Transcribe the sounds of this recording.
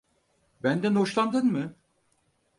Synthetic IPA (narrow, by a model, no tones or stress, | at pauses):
bænd̪ænɦoʃlˠand̪ɯnmɯ